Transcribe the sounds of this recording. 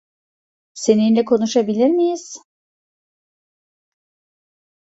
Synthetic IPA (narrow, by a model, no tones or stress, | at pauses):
se̞ninlʲɛkʰo̞nuʃabilʲiɾmijiz̥